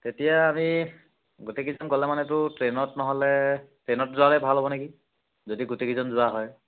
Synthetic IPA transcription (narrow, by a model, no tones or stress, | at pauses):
tetijaːmi | ɡotekizɔnkɔlɛmanɛtʊtɹenɔtnɔɦɔlɛtɹenɔtzʊalɛbʱalɦɔβɔneki | zodiɡotekizɔnzʊwaɦɔj